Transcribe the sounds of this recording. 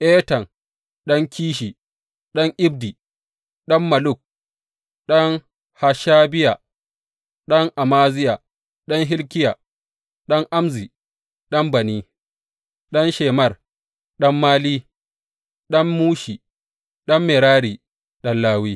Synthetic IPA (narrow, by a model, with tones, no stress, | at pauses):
ʔeː˦tɐ˨ŋ | ɗɔ˦ŋkʰʲiː˦ʃi˨ | ɗɔ˦ŋʔɪ˦b̚di˨ | ɗɐ˦mːɐ˨lʊ˦˨k̚ | ɗɔ˦ŋ | ha˨ʃaː˦bɪ˦ja˨ | ɗɔ˦ŋʔa˨maː˦zɪ˦ja˨ | ɗɔ˦ŋɦɪ˦lkʲɪ˦ja˨ | ɗɔ˦ŋʔa˦mzi˨ | ɗɐ˦mbɐ˨niː˦ | ɗɔ˦nʃeː˨mɐ˦˨r | ɗɐ˦mːaː˦liː˦ | ɗɐ˦mːuː˦ʃi˨ | ɗɔ˦mːe˨ɾaː˦ɽiː˨ | ɗɐ˦nlaː˦wiː˦